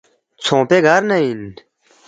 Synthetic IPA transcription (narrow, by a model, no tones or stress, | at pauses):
t͡sʰõːpeɡʱaɾnɐin